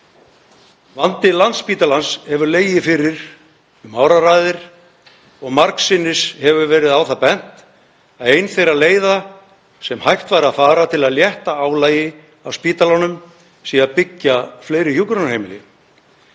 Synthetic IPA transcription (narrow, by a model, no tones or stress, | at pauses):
vant̪ɪlant̪spiːt̪alanshɛvʏɾleːjɪfɪɾɪɾ̥ | ʏmaːwɾaɾajðɪɾ̥ | ɔɣmaɾksɪnːɪshɛvʏvɛːɾɪðaːwθapɛn̥t̪ | aðejnθejɾaleːjða | sɛmhajht̪vaːɾaðfaːɾat̪ʰɪlaðljɛht̪aaːwlaːjɪ | awspiːt̪alɔnʏm | siapɪcːafleːjɾɪçjukɾanhejmɪlɪ̰